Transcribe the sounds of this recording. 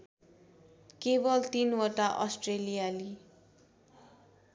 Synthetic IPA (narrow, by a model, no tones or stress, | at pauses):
kebʌlt̪inwʌʈaʔʌ̰sʈrelijali